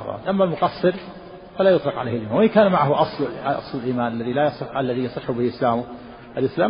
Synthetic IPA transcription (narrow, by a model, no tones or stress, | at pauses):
ɾˤɑ̰ːt̪ʔamːalmʊqɑsːɨɾ | falaːjʊt̪ˤlɪqʕaleːhɪlʔɪmanwɪkaːnmaʕaɦʊʔɑsˤlɑ̰sˤlɪlʔiːmaːnalːaðilajɑsˤɨħʔalːaðijɑsˤɨħːʊbɪhʔɪslaːmʊ | ʔalʔɪslaː